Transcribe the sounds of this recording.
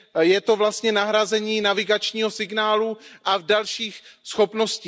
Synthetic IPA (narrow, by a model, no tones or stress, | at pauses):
jɛt̪o̞vlast̪ɲɛnaɦɾazɛɲiːnavɪɡat͡ʃɲiːɦo̞sɪɡnaːluʔavdalʃiːxsxo̞pno̞sciː